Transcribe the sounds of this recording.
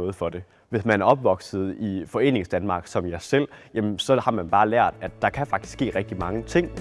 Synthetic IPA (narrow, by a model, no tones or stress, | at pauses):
ɔ̽ːð̩ˠfɒ̽d̥e̝ | ʋe̝smænæɐɒ̽b̥ʋɒ̽ɡ̥sð̩ˠifɒ̽e̝̰ːne̝ŋsd̥ænmɑ̈ːɡ̥sɒ̽mjɑsel̰jæmnsɒ̽hɑ̈mænb̥ɑ̈ːlæɐ̰d̥æd̥ːɑ̈kʰæfɑ̈ɡ̥d̥sɡ̥e̝̰ːʁɛɡ̥̚d̥imɑ̈ŋət͡sʰe̝ŋ̰